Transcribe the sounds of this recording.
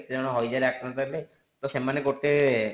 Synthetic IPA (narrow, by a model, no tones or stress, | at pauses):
t̪ed͡ʒɔɽ̃ɔɦɔjd͡ʒaɾeakɾɔt̪aɾle | t̪ɔsemanekoʈe